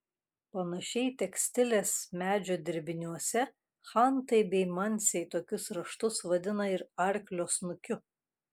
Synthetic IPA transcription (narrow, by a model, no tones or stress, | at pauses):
pɐnɐʃʲɛɪt̪ʲɛksʲt̪ʲɪlʲeːsmʲæːd͡ʒʲoːd̪ʲɪɾʲbʲɪnʲuɔsʲɛ | xɐnt̪ɐɪbʲɛɪmɐnʲsʲɛɪt̪oːkʲʊsɾɐʃt̪ʊsʋɐd̪ʲɪnɐɪɾɐɾʲklʲoːsnʊkʲʊ